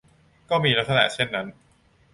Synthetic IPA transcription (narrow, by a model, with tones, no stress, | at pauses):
kɔː˥˩miː˧ɾa˦˥t̪̚sa˧na̰˨˩ʔt͡ɕʰe˥˩nːa˦˥n